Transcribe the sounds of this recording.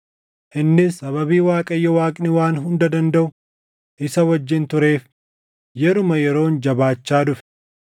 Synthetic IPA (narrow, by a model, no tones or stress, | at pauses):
ʔɪnːɪɐβɐbiːwaːkʼɐjːɐwaːkʼnɪwaːnɦʊnd̪ɐd̪ɐnd̪ɐʔʊ | ʔɪsɐwɐd͡ʒːɪnt̪ʊɾe̞ːf | jɛɾʊmɐjɛɾo̞ːnd͡ʒɐbaːt͡ʃːaːd̪ʊfɛ̥